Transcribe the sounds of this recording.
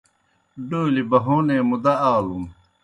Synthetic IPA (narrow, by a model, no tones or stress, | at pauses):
ɖoːilibɐɦoːneːmud̪ɐaːlum